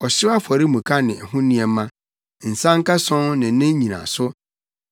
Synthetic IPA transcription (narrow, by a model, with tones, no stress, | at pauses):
ɔ˨ɕɪ˦a˦fɔ˨ɾi˦mũ˨kʰa˦nɪ̃˨ɛ˨ɦʊ̃˦nĩ˦ɛ˨mã˦ | n̩˨sã˦ŋ˦ka˦sɔ̃˦ŋnɪ̃˨˦nɪ̃˦ɲĩ˨nã̰˨sʊ˦